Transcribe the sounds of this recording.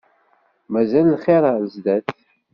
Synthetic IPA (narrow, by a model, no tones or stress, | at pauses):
mæzællχeɾˤəlzd̪æθ